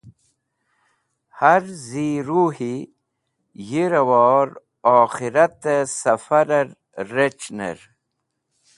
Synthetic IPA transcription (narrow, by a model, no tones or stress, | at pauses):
haɾziːɾuhi | jiɾɐwɔːɾ | ɔːxiɾɐt̪esɐfɐɾɐɾː | et͡ʃnḛɾ